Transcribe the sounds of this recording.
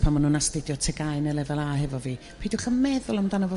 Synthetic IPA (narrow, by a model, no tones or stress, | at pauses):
pʰamanuːnastɪdjɔtʰɛɡajnɛlˠɛvɛlˠaɦɛvɔviː | pʰiːdwχəmɛðʊlˠəmdanəvɔ